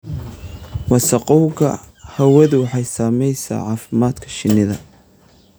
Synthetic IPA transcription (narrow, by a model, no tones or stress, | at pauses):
wɑsɐqɔwɡɐ̰ | hɐwɐðʊwɑħɑjsaːmɛjsa̰ːʕɑːfɪmaːd̪kʰɐ̥ʃɪnːɪðɐ